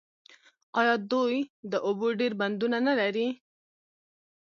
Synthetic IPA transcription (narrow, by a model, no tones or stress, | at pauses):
qɑjɑd̪ojd̪əʔʊboɖeɾband̪unanalaɾi